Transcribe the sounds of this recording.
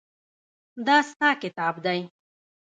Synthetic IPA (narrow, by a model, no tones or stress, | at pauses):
d̪ɑst̪ɑkɪt̪ɑbd̪aj